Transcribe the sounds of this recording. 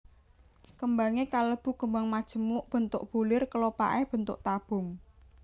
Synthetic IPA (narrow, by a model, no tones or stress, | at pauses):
kəmbaŋekaləb̥ṳkəmbaŋmad̥ʒ̥ə̤mʊʔb̥ə̤nt̪ʊʔb̥ulɪrkəlopa̰ʔɛhb̥ə̤nt̪ʊʔt̪ab̥ʊ̤ŋ